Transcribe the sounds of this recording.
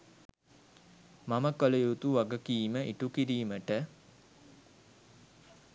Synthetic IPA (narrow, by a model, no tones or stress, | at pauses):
maməkoləjut̪uʋaɡəkiːməʔiʈukiɾiːməʈə